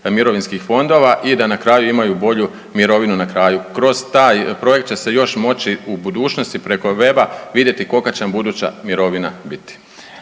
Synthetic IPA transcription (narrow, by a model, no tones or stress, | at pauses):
miɾo̞ʋinskixfo̞nd̪o̞ʋaʔid̪anakɾaːjuimajubo̞ʎu | miɾo̞ʋinunakɾaːjukɾo̞z̥t̪aːjpɾo̞je̞k̚t̪̚t͡ɕe̞sejo̞ʃmo̞t͡ɕiubud̪uːt͡ʃno̞st̪ipɾe̞ko̞ʋe̞baʋid̪je̞t̪iko̞kat͡ɕenambud̪uːt͡ɕa̰miɾo̞ʋina̰bit̪i̥